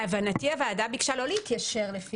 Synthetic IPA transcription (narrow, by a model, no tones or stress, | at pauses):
avanatiavaːdabiɡʃalo̞leit̪jaʃeʁlefi